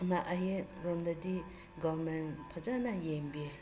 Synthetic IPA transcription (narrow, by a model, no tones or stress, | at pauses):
naʔajeɾɔmdadi | ɡɔbɾmenpʰad͡ʒanajembie